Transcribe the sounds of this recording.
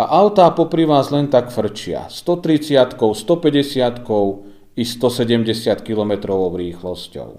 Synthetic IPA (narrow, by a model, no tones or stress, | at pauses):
a̰ʔaʊt̪aːpɔpɾiʋaːzlɛnt̪akfr̩t͡ʃɪa̰st̪ɔt̪ɾit͡sɪat̪kɔʊst̪ɔpɛɟɛsɪat̪kɔʊ | ist̪ɔsɛɟɛmɟɛsɪat̪kilɔmɛt̪ɾɔʋɔʊɾiːxlɔscɔ̰ʊ